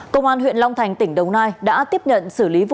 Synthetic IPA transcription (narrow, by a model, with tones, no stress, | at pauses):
kə˧wŋ͡mʔaː˧nɦwḭ˧˨ənla˧wŋ͡mt̪ʰa˨˩jŋ̟t̪ï˧˩ŋ̟ɗə˨˩wnaː˧jɗa̰ː˧˥t̪i˦˥əp̚ɲə̰˧˨nsɨ˧˩li˨˦˧